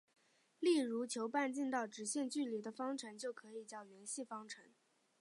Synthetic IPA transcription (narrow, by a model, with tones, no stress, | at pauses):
li˥˩ɻu˧˥t͡ɕʰjo˧˥ʊpa˥˧nt͡ɕi˥˧nt̪ɑ˥˩ʊʈ͡ʂɻ̩˧˥ɕjɛ˥˧nt͡ɕy˥˩li˨˥d̪ə˧fɑ˥ŋʈ͡ʂʰɤ˧˥ŋt͡ɕjo˥˩ʊkʰɤ˧˥i˨˩t͡ɕjɑ˥˩ʊɥɛ˧˥nɕi˥˩fɑ˥ŋʈ͡ʂʰɤ˧˥ŋ